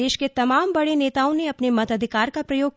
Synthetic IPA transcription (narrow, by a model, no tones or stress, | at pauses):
eːʃket̪ɐmaːmbɐɽeneːt̪aːõneɐpnemɐt̪əd̪ʱɪkaːɾkapɾɐjoːɡ